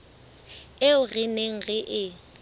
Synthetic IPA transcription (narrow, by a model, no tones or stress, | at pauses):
eʊrɪneŋ̩ɣɛʔɪ